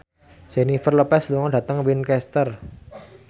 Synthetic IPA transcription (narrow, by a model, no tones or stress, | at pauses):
senifərlopɛsluŋɔɖä̤t̪əŋwinkɛst̪ər